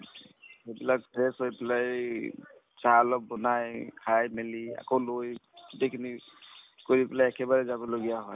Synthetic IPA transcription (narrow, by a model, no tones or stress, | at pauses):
hejbilak̚pʰesɦojbɛlaj | salɔk̚bɔnajkʰajmelia̰kowlojdekʰni | kɔɹibɛlaɛkebaɾɛzabɔloɡijaɦɔj